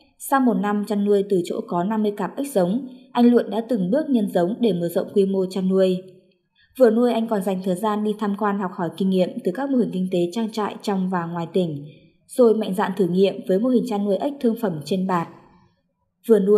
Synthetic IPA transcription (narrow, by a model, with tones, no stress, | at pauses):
sa˧wmo˨˩t̚na˧mt͡ɕaː˧nːu˧əjt̪ɨ˨˩t͡ɕo̰˧˥kɔ˨˦na˧mːɨ˧əjkaː˨˩m̚ʔi˦˥k̟̚zə˨˦wŋ͡mʔa˧jŋ̟lṵ˧˨ənɗa̰ː˧˥t̪ɨ˨˩ŋɓɨ˦˥ək̚ɲə˧nzə˨˦wŋ͡mɗe˧˩mɨ˧˩əzə̰˧˨wŋ͡mkwi˧mo˧t͡ɕaː˧nːu˧əj | vɨ˨˩ənu˧əjʔa˧jŋ̟kɔ˨˩nza˨˩ŋ̟t̪ʰəː˨˩jzaː˧nɗi˧t̪ʰaː˧mkwaː˧nhɔ˨˩k͡p̚hɔ˧˩jkï˧ŋ̟ŋḭ˧˨əmt̪ɨ˨˩kaː˦˥k̚mo˧hï˨˩ŋ̟kï˧ŋ̟t̪e˨˦t͡ɕaː˧ŋt͡ɕa̰ː˧˨jt͡ɕɔ˧wŋ͡mvaː˨˩ŋwaː˨˩jt̪ï˧˩ŋ̟ | z̥o˨˩jma̰˧˨jŋ̟za̰ː˧˨nt̪ʰɨ˧˩ŋḭ˧˨əmvəː˨˦jmo˧hï˨˩ŋ̟t͡ɕaː˧nːu˧əjʔa˦˥k̟̚t̪ʰɨ˧əŋfə˧˩mt͡ɕe˧nɓaː˨˩t̚ | vɨ˨˩ənu˧ə